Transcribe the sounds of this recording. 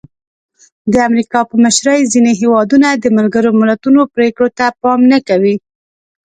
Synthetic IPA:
d̪əamɾikɑpəməʃɾəjzineɦewɑd̪unad̪əmalɡəɾomɪlat̪unopɾekɽot̪apɑmnakawi

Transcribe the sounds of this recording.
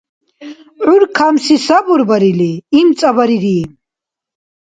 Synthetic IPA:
ʕuɾkʰamsisabuɾbaɾiliːmt͡sʼabaɾiɾi

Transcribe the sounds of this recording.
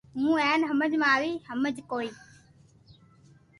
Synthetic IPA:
mũːɛːnɦəməd͡ʒmãːʋiːhəməd͡ʒkoːiː

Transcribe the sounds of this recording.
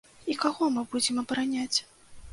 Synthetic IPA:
ikaɣɔmɨbud͡zʲɪmɐbɐɾanʲat͡sʲ

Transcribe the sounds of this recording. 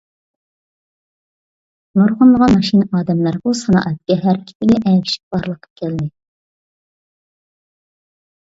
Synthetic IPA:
noɾʁəmːəʁɑnmɑʃinʔɑːd̪ɛmlæɾbusɑnɑ̰ːʔɛt̪̚kʲːɛɦæɾkʲʰi̥t̪ʰɪɡʲɛʔɛkʲʰi̥ʃi̥p̚b̥ɑɾlˠəqʰə̥p̚kʲʰɛld̪ɪ

